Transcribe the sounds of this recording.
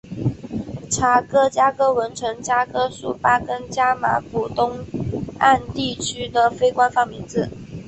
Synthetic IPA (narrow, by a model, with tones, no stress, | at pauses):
ʈ͡ʂʰa˨˩kɤ˥t͡ɕja˥kɤ˥wə˧˥nʈ͡ʂʰɤ˧˥ŋt͡ɕja˥kɤ˥ʂṵ˨˩pa˥kə˥nt͡ɕja˥ma̰˧˥ku˨˩t̪ʊ˥ŋa˥˧nt̪i˥˩t͡ɕʰy˥d̪ə˨fe˥ɪkwa˥nfɑ˥˩ŋmi˧˥ŋd͡zɹ̩˨˩